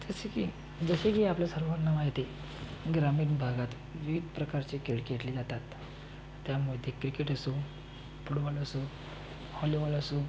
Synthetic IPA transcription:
t̪əseki | d͡zəɕekiapljasəɾʋaɾnːaʋajet̪e | ɡɾamiːnbʱaɡat̪ | ʋiʋid̪pɾəkaɾt͡ɕekeɭkeʈliːd͡zat̪at̪ː | jamuɭd̪ʱːjekɾikeʈəso | pʰuɽʋaləso | hɔliʋaləsu

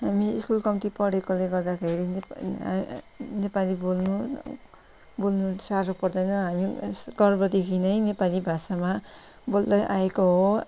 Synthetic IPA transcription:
ɦamiḭskulkʌmit̪ipʌɽekoleɡʌrd̪akʰeɾin | nepalibolnu | bolnusaɾʌpʌrd̪ʌjnʌɦamiɡ̥ʌrbʌd̪ekʰinʌjnepalibʱasama | bold̪ʌjʔaekoɦo

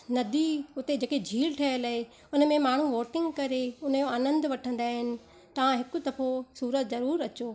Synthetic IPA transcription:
nɐd̪ʱiʊt̪ed͡ʑeːked͡ʑʱiːlʈʰɐələɦe | ʊnə̆mẽmaːɳ̤uʋoːʈɪ̃ŋɡkɐɾeʊnəjoaːnə̃nd̪ʋɐʈʰə̃nd̪aːɦɪnɪ̆ | t̪ɐʋ̤ãɦɪkʊt̪ɐfosuːɾət̪zɐɾuːɾɐt͡ɕoː

